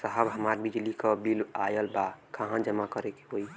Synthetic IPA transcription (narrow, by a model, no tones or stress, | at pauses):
səɦəbɦəmaɾbid͡ʒlikəbilajəlbakaɦãd͡ʒəmakəɾeke̥ɦoj